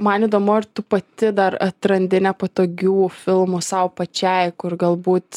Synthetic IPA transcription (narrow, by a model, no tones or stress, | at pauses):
mɐniːd̪oːmʊɪɾt̪ʊpɐt̪ʲɪd̪ɐɾɐt̪ɾɐnʲd̪ʲɪnʲɛpot̪oːɡʲuːfʲɪlˠmusɐʊpɐt͡ʃʲɛɪkʊrɡɐlˠbuːt̪